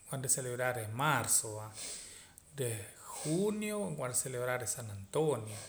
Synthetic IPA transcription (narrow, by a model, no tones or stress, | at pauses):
wand̪eseleβɾaɾemaɾsoa | d̪exunjokwand̪eseleβɾaɾesanant̪onjo